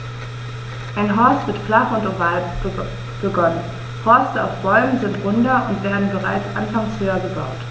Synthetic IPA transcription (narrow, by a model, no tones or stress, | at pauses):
ʔaɪnɦɔɐstv̥ɪtflaχʊntovaːl | b̥əɡɔnən | fɔɐstəa̰ʊfb̥ɔʏmənzɪntʁ̥ʊndɐʔʊntv̥eːɐdn̩bəʁaɪt͡sʔanfaŋshøːɐɡəba̰ʊt